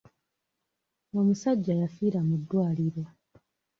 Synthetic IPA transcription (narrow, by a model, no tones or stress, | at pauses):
omusaɟːajafiːɾamudːwaːliɾo̞